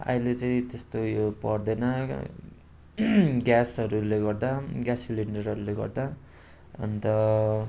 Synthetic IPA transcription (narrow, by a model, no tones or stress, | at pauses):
a̰ilet͡saĩt̪est̪ojopʌrd̪ʌjnʌ | ɡjasʌɾuleɡʌrd̪aɡjasiliɳɖʌrɦʌɾuleɡʌ̰rd̪a | ʌ̰nt̪ʌ